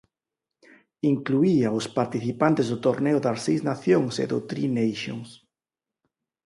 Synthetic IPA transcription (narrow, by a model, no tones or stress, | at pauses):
iŋkluiaʊspaɾt̪iθipant̪ezðʊt̪oɾneʊðasejznaθjoŋsḛðʊt̪ɾinejʃo̰ŋs